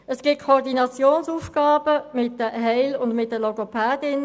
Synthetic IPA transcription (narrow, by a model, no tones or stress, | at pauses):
əsɡ̥ɪt̚kʰoɾdinɑt͡sjoːnsuːfɡ̥ɑːb̥əmɪt̚dəɦɛɪlʊndmɪt̚dəlɔɡopʰæːdɪn